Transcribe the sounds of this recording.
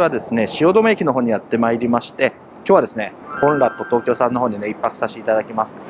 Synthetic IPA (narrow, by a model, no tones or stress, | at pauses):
βad̪e̞sɨne̞ɕio̞ːd̪o̞mekʲino̞ɦo̞ːɲ̟ijat̪ːe̞maiɾʲimaɕi̥t̪e̞ | kʲjoːβad̪e̞sɨnehõ̞nɾat̪ːo̞t̪o̞ːkʲo̞ːsãnːo̞ɦo̞ːɲ̟ine̞ipːakɯ̥saɕit̪ad̪akʲimasɨ̥